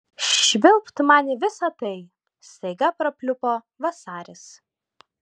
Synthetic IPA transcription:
ʃʲʋʲɪlˠpt̪mɑːnʲɪʋʲɪsɐt̪ɐɪ | st̪ɐɪɡɐpɾɐpʲlʲʊpoː | ʋɐsɑːɾʲɪs

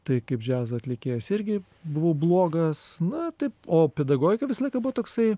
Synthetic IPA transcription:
t̪ɐɪkɐɪpd͡ʒʲæːzɐɐt̪ʲlʲɪkʲeːjɛsɪɾʲɡʲɪ | bʊʋoːblˠoːɡɐsnʊt̪ɐɪpoːpʲɛd̪ɐɡoːɡʲɪkɐʋʲɪsɐlˠɐɪkɐbʊʋot̪oːksɐɪ

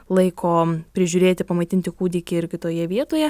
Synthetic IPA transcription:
lˠɐɪkoːpʲɾʲɪʒʲʊːɾʲeːt̪ʲɪpɐmɐɪt̪ʲɪnʲt̪ʲɪkuːd̪ʲɪkʲɪɪɾʲkʲɪt̪oːjɛʋʲiɛt̪oːjɛ

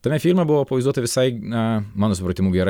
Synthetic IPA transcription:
t̪ɐmʲɛfʲiːlʲmʲɐbʊʋopɐʋɐɪzd̪uɔt̪ɐʋʲɪsɐɪnɐmɑːnoːsʊpɾɐt̪ʲɪmuːɡʲɛɾ

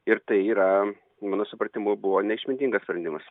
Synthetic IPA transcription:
ɪɾt̪ɐɪiːɾɐ | mɑːnoːsʊpɾɐt̪ʲɪmʊbʊʋoːnʲɛɪʃʲmʲɪnʲt̪ʲiːŋɡɐspʲɾʲɐnd̪ʲɪmɐs

